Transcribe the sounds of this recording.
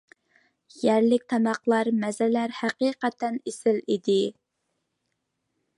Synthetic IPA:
jæɾlɪk̚ʲt̪ʰɑmɑqlˠɑɾmɛzɪlæɾhæqiːqɛt̪ʰænesɪlid̪ɪ

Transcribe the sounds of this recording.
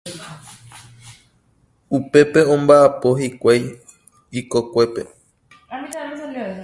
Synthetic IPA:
upe̞pe̞õ̞mbaʔapo̞ɦikʷaj | d͡ʒiko̞kʷe̞pe̞̰

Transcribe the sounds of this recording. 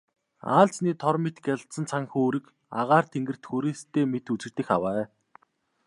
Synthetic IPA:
a̰ːɮt͡sniːt̪ʰɔrmet̪ɡʲaɮsə̆nt͡sʰaŋxoːɾĭk | aʁaːr̥t̪ʰeŋɡɘ̆r̥t̪xuɾeːst̪ʰːeːmet̪ut͡sɘ̆kt̪ɘ̆xawæː

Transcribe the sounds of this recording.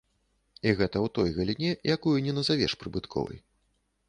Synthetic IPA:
iɣɛt̪ɐwt̪ɔjɣɐlʲinʲɛjʔakujunʲɛnɐzavʲɛ̰ʂpɾɨbɨt̪kʰɔ̰vɨ̰j

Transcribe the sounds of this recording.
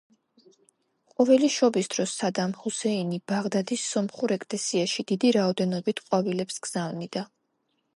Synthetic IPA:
qʼɔvɛliʃɔbisd̪̥ɾɔsːad̪amhusɛinibaʁd̪ad̪isɔmχuɾɛkʼlɛsiaʃid̪̥id̪iɾaɔd̪ɛnɔbit̪ʰqʼwavilɛpsɡz̥avnid̪a

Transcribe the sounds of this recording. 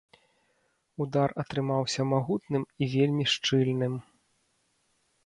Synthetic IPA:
ud̪arɐt̪ɾɨmawsʲɐmaɣut̪̚nɨmivʲelʲmʲiʂt͡ʂɨlʲnɨm

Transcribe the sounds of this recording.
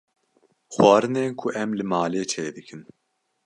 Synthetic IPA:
xwɑːɾɨneːnkʰʊʔɛmlɨmaːleːt͡ʃʰɛjed̪ɨkʰɨn

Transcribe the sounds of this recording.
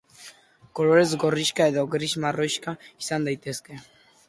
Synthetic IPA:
kɔlɔɾɛzɡɔriɕkaɛd̪ɔɡɾiɕmarɔjɕkaisand̪ajt̪ɛskɛ

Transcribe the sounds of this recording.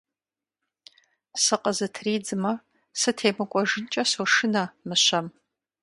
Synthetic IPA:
sɨqʼəzɨtʰriːd͡zɨmɐ | sɨtʰeːmɨkʷʼɔʒɨnt͡ʃʼɐsoʂɨnɐmɨɕɐm

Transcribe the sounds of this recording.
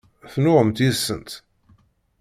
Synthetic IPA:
θnʊʁəmt̪isənt̪

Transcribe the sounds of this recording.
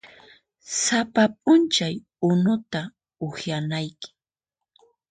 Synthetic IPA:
sapap̚ʼʊnt͡ʃaj | ʊnʊt̪a | ʊxjanajkɪ̥

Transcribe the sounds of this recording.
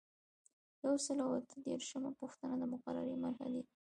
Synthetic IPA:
jawsəlawat̪əd̪eɾʃəmapuxt̪anad̪əmʊqaɾa̰ɾimaɾha̰d̪i

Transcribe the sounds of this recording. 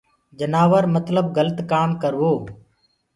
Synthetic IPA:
d͡ʒənaːʋəɾmət̪ləb̚ɡələt̪kaːmkəɾʋoː

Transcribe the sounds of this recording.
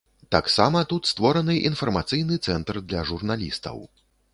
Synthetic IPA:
t̪aksamɐt̪ut̪st̪vɔɾɐnɨʔinfɐrmat̪sɨjnɨt̪sɛnt̪rd̪lʲɐʐurnalʲḭst̪ɐ̰w

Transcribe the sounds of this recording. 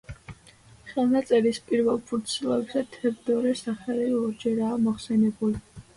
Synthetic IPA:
χɛlˠnat̪sʼɛɾispʼiɾvɛlˠpʰuɾt̪sʰilˠɔɛbsat̪ʰɛvd̪ɔɾɛsaχɛliɔɾd͡ʒɛɾaːmɔχsɛnɛbuli

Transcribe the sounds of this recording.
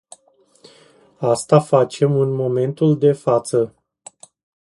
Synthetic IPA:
ast̪afat͡ʃe̞mɨnmo̞me̞nt̪uld̪e̞fat̪sə

